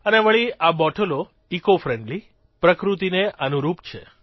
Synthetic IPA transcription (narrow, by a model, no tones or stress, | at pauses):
əneʋəɭiabɔʈʰəlo | ikofɾɛɳɖli | pɾəkɾut̪̬ineʔənuɾupt͡ʃʰe